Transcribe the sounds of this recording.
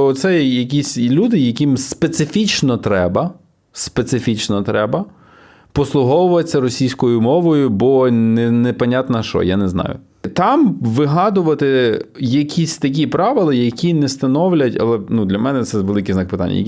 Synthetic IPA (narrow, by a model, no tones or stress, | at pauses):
ɔt̪sɛjɛjɐk̬ʲisʲlʲud̪ɪjɐkʲimspet̪sɪfʲit͡ʃnɔt̪ɾɛbɐ | spet̪sɪfʲit͡ʃnɔt̪ɾɛbɐ | pɔslˠʊɦɔwʊʋɐt͡sʲːɐɾɔsʲijsʲkɔjʊmɔʋɔjʊbɔnɛnɛpɐnʲat̪nɐʃt͡ʃɔ̰janɛznɑ̰jʊ̰ | t̪ɑmʋɪɦɑd̪ʊʋɐt̪ɪjɐkʲʰisʲt̪ɐk̬ʲipɾɑʋɪlˠɐjɐkʲinɛst̪ɐnɔwlʲɐtʲɐ̰lˠɛnud̪lʲɐmɛnɛt̪sɛʋelˠɪkijznɑk̚pɪt̪a̰nʲːɐ̰j̰